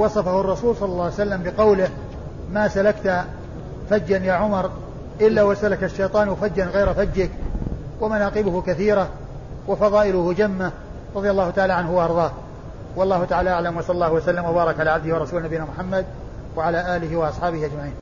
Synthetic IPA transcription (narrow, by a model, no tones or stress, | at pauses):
wɑsˤɑfahʊrˤːɑsuːlsˤɑlːɑlːɑːwjsalːambɪqɑwlɪh | maːsalakt̪ | fad͡ʒːanjaːʕʊmɑɾˤ | ʔɪlːawasalakaʃːejt̪ˤɑːnwɪfad͡ʒːanɣajɾafad͡ʒːɪk | wamanaːqɪbʊhʊkaθiːɾa | wafɑðˤɑːʔɪlʊhʊd͡ʒamːa | ɾˤɑðˤɪjalːɑːhʊt̪aʕaːlaʕanɦʊwaʔɑɾˤðˤɑː | wɑlˤːɑːhʊt̪aʕaːlaʔaʕlamwɑsˤɑlːɑlːɑːhʊwasalːamwabɑːɾˤɑkʕalaːʕabd̪ɪhwɑɾˤɑsuːlnabɪjːɪnaːmʊħamːad̪̚ | waʕalaːʔaːlɪhɪwɑʔɑsˤħɑːbɪhiʔad͡ʒmaʕiːn